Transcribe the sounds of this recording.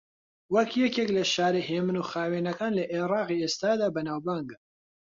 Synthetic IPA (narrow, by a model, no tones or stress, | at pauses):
wɐkjɛkeːklɐʃaːɾiɦeːmɨnuːxaːwenɐkaːnlɐʔerɑːqieːst̪aːd̪aːbɐnaːwbaŋɡ